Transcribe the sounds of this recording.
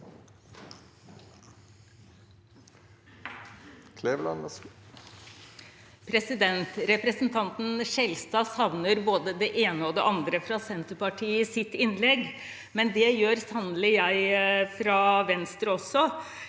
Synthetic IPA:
kʰleːʋlɑn | pʰɾɛsɪd̪ɛnt̪ɾɛpɾəsn̩t̪ʰɑnt̪n̩ʂɛlst̪ɑːsɑʋnəɾboːd̪əd̪ɛʔeːnəɔd̪ɛ̰ʔɑnd̪ɾəfɾɑsɛnt̪əpɑʈʰiːɪsɪt̪ːɪnlɛɡ | mɛnd̪ɛjøːɾsɑnlɪjæɪfɾɑːʋɛnst̪ɾəɔsːɔ

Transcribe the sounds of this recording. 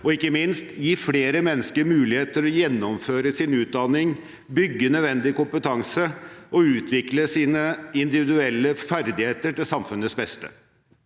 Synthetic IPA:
ɔɪkːəmɪnst̪jiːfleːɾəmɛnːəskəɾmʉːlɪheːt̪əɾɔjɛnːɔmføːɾəsɪnʉːt̪̚d̪ɑnɪŋ | bʏɡːənœd̪ʋɛnd̪ɪkʊmpət̪ʰɑŋsəɔʉːt̪ʰʋɪkləsiːnəɪnd̪ɪʋɪd̪ʉɛlːəfæɾd̪ɪheːt̪əʈɪlsɑmfʉnət̪sbɛst̪ə̰

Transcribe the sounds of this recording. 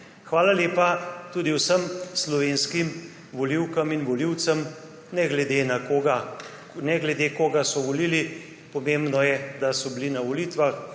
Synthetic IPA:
xʋaːlaleːpat̪uːd̪iwsəmslɔʋeːnskim | ʋɔliwkəminʋɔliwt̪səm | nɛɡlɛd̪enakoɡa | nɛɡlɛd̪ekoɡasɔʋɔliːli | pɔmembnɔjɛd̪asɔblinaʋɔlit̪ʋax

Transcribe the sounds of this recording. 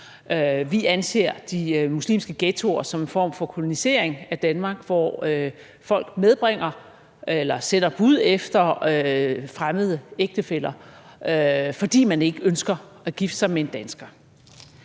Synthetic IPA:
øʋiʔænse̝̰ːɐ̰d̥imuslḭːmsɡ̥əɡ̥et͡sʰo̝ɐsɒ̽me̝nfɒ̰ːm̰fɒ̽kʰo̝lo̝nise̝̰ɐ̰eŋæd̥ænmɑ̈ːɡ̥ʋɒ̰ø | fɒ̽l̰ɡ̥með̞ˠb̥ʁeŋ̰ɐ | elɐsen̰ɐb̥uð̞̰ˠefd̥ɐøfʁaməð̞ˠəeɡ̥̚d̥əfel̰ɐøfɒ̽d̥ḭːmæne̝ɡ̥əønsɡ̥ɐæɡ̥ifd̥sɑ̈ɪmee̝nd̥ænsɡ̥ɐ

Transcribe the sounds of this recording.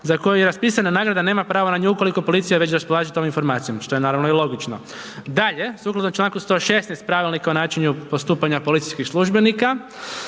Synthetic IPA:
zako̞jujeɾaspiːsananaːɡɾad̪ane̞ːmapɾaːʋonaɲuuko̞liko̞polit̪sijaʋe̞t͡ɕɾaspolaːʒit̪o̞minfo̞ɾmaːt̪sijomʃt̪oenaːɾaʋnoilo̞ɡit͡ʃno | d̪aʎe̞suːklˠad̪omt͡ʃlˠaːŋkust̪o̞ʃe̞snejst̪̚pɾaʋilnikaonaːt͡ʃiɲupo̞st̪uːpaɲapo̞lit̪sijskixslˠuʒbe̞nika

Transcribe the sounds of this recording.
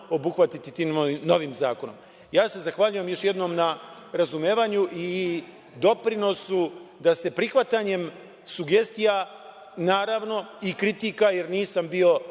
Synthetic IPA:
o̞buxʋat̪it̪it̪iːmoino̞ʋiːmzaːko̞no̞̰m | jaːse̞zaxʋaʎuje̞mjo̞ʃje̞d̪no̞ːmna | ɾazumeːʋaɲuʔi | d̪o̞pɾino̞sud̪ase̞pɾixʋat̪aɲe̞m | suɡe̞st̪ija | naːɾaʋno̞ikɾit̪ikaje̞ɾniːsambio̞

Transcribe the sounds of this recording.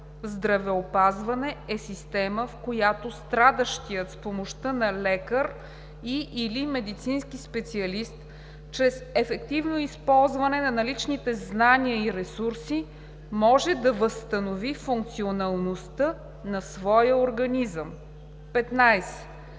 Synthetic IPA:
zd̪ɾɐvɛopazvɐnɛɛsist̪ɛməfkojat̪ost̪ɾad̪əʃt̪ijət̪spomoʃt̪ənɐlɛkəɾ | iʔilimɛd̪it̪sinsk̟ispɛt̪siɐlist̪ | t͡ʃɾɛsɛfɛkt̪ivnoispɔlˠzvɐnɛnɐnɐlit͡ʃnit̪ɛznaniəiɾɛsuɾsi | mɔʒɛd̪ɐvəst̪ənovifuŋk̚t̪sionɐlˠnost̪ə | nɐsvɔjəoɾɡɐnizəm | pɛt̪najsɛ̥

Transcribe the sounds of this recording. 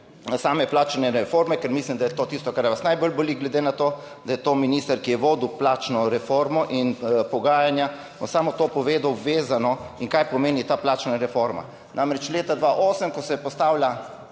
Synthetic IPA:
saːmɛplaːt͡ʃnɛɾɛfoɾmɛkɛɾmislimd̪ajɛt̪oːt̪iːst̪ɔkaɾjɛʋasnajbɔlboliɡlɛd̪eːnat̪oː | d̪ɐjɛt̪oːminiːst̪əɾkijɛʋoːd̪uplaːt͡ʃnɔɾɛfoɾmɔʔinpɔɡaːjanja | bɔsaːmɔt̪oːpɔʋeːd̪awʋeːzanɔiŋkajpɔmeːnit̪aːplaːt͡ʃnaɾɛfoɾma̰ | nʔamɾɛt͡ʃleːt̪ad̪ʋaʔoːsəmkɔsɛpɔst̪aːwlja

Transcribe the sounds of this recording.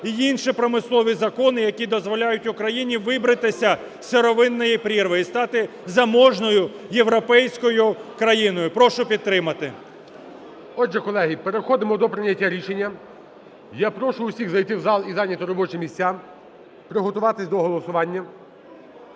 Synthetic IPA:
iinʃipɾɔmɪslˠɔʋʲizɐkɔnɪjɐkʲid̪ɔzʋɔlʲajʊtʲʊkɾɐjinʲiʋɪbɾɐt̪ɪsʲɐ | sʲeɾɔʋɪnːɔjipɾʲirʋɪjist̪ɑt̪ɪ | zɐmɔʒnɔjʊjeʋɾɔpɛjsʲkɔjʊkɾɐjinɔjʊpɾɔʃʊpʲid̪̚t̪ːɾɪmɐt̪ɪ̰ | ɔd͡ʒɛkɔlˠɛɦʲipeɾexɔd̪ɪmɔd̪ɔpɾɪnʲɐtʲːaɾʲiʃenʲːɐ | japɾɔʃʊʊsʲiɣzɐjt̪ɪwzɑlˠizɑnʲːɐt̪ɔɾɔbɔt͡ʃɪmʲisʲt͡sʲa | pɾɪɦɔt̪ʊʋɑt̪ɪsʲd̪ɔɦɔlˠɔsʊʋɑnʲːɐ

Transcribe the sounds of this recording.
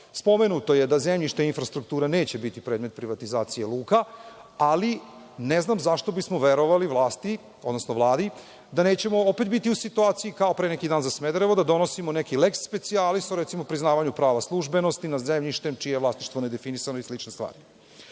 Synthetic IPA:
spo̞menut̪o̞je̞d̪azemʎiʃt̪infɾast̪ɾuk̚t̪uːɾane̞ːt͡ɕe̞bit̪ipɾed̪met̪̚pɾiʋat̪izaːt̪sije̞lˠuːkaali | neznamzaʃt̪o̞bismoʋeɾoʋaliʋlˠaːst̪i | od̪nosno̞ʋlˠaːd̪i | d̪aneːt͡ɕe̞mo̞ope̞t̪bit̪iusit̪uaːt̪sijikaopɾeːnekid̪aːnzasmed̪ɾeʋod̪ad̪o̞no̞simonekileksːpe̞t̪sialisoɾɛt̪simopɾiznaːʋaɲupɾaːʋaslˠuʒbe̞no̞st̪inazemʎiʃt̪e̞mt͡ʃijejelasiʃt̪ʋoned̪e̞finisanoislit͡ʃnest̪ʋa̰ːɾi

